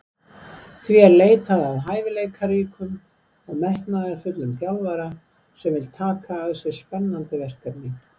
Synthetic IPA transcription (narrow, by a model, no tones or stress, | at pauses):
θviɛɾleːjt̪aðaðɦaːjvɪlejɣkʰaɾiːkʏm | ɔɣmɛhknaðɪafʏt̪lʏmfjawlvaɾa | sɛmvɪlt̪ʰaːkʰaːðsɛɾ̥spɛnːant̪ɪvɛr̥kapniŋk